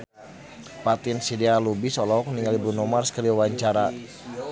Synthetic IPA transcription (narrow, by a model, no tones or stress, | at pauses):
pat̪insidialubisɔlɔɔk̚niŋalibɾunɔmarskəɾiwawaɲt͡ʃaɾa